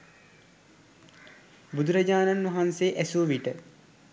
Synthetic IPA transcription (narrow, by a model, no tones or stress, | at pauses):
bud̪uɾɐd͡ʑaːnanʋɐɦanseːʔæsuʋiʈə